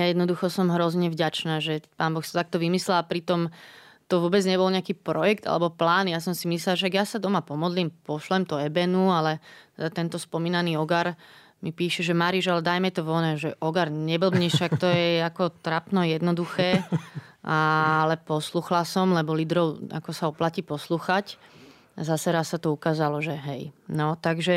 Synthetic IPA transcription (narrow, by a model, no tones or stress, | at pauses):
jajɛd̪nɔd̪uxɔsɔmɦɾɔzɲɛvɟat͡ʃnaːʒɛpaːnbɔxsḁt̪t̪ak̚t̪ɔʋimislɛlapɾit̪ɔm | t̪ɔʋʊɔbɛd͡zɲɛbɔlɲɛakiːpɾɔjɛkt̪a̰lɛ̰bɔplaːnijas̬ɔmsimislɛlʃɛaɡjasad̪ɔmapɔmɔd̪liːmpɔʃlɛmt̪ɔɛbɛnualɛt̪ɛd̪at̪ɛnt̪ɔspɔmiːnaniːɔɡaɾ | mipiːʃɛʒɛmaɾiʒalɛd̪ajmɛt̪ɔʋɔnɛʒɛʔɔɡaɾɲɛbl̩bɲɛʃʃakt̪ɔjɛakɔt̪ɾapnɔjɛd̪nɔd̪uxɛː | ʔalɛpɔsluːxlasɔmlɛbɔlid̪ɾɔʊa̰kɔsaɔplacipɔsluːxac | azasɛɾasːat̪ɔukaːzalɔʒɛɦɛjnɔt̪aɡʒɛ